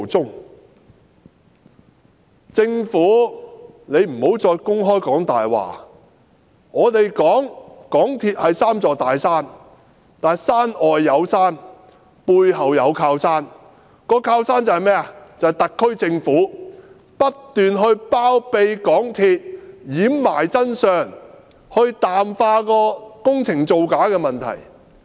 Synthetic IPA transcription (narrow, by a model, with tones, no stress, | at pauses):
t͡sʊ˥ŋ | t͡sɪ˧ŋfuː˨˥ | ne˨˧jm̩˨˩ho˨˥wt͡sɔː˧jkʊ˥ŋɦɔː˥jkɔː˨˥ŋt̪aː˨jwa̰ː˨˩ | ŋɔː˨˧t̪e˨jkɔː˨˥ŋkɔː˨˥ŋt̪ʰiː˧t̚hɐ˨jsaː˥mt͡sɔː˨˧t̪aː˨jsaː˥n | kt̪aː˨nsaː˥nɔː˨jːɐ˨˧wsaː˥n | puː˧jɦɐ˨wjɐ˨˧wkʰaː˧wsaː˥n | kɔː˧kʰaː˧wsaː˥nt͡sɐ˨hɐ˨jmɛː˥ɐ˨t͡sɐ˨jt̪ɐ˨kʰːɵ˥ɥt͡sɪ˧ŋfuː˨˥ | pɐ˥tt̪yː˨nɦɵ˧ɥpaː˥wpe˧jkɔː˨˥ŋt̪ʰiː˧t̚jiː˨˥mma̰ː˨˩jt͡sɐ˥nsœː˨˩ŋ | hɵ˧ɥt̪aː˨mfaː˧kɔː˧kʊ˥ŋt͡sʰɪ˨˩ŋt͡so˨wkaː˨˥kɛː˧mɐ˨nt̪ʰɐ̰˨˩j